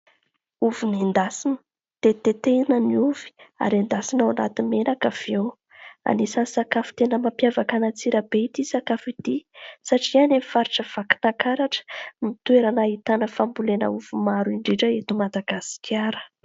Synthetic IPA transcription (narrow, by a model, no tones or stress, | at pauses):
uvumind̪asinə̥ | d̪̥et̪et̪enəniuvi̥a̰ɾand̪asinawana̰t̪inmenakav̥ew | a̰nisasakafi̥t̪enəmapjavakanat͡siɾəb̥eit̪isakafid̪isaʈ͡ʂianemifaɾiʈ͡ʂəv̥aki̥nakaɾaʈ͡ʂə̥mit̪weɾanait̪anəfambulenə̰uvumaɾuiɳɖ͡ʐiʈ͡ʂəet̪umad̪aɡasi̥kʰʲaɾə̥